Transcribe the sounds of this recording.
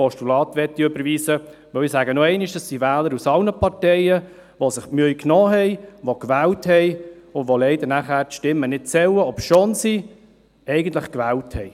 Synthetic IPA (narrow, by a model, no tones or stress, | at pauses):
ɔstulɑːt̪ʋɛt̪ːiøbəɾviːsəʋœwisæːɡənoɛɪniʃd̥ɑsːivɛːləɾusɑlnəpʰɑɾtɛɪə | ʋosɪχmyjknɔːɦɛɪʋokʋɛːlthɛɪʊndvolɛɪdəɾnæχæːɾtʃtɪmːənɪtt͡sɛwəɔpsʃonsi | ɛɪɡən̩tlɪχkʋæːlthɛɪ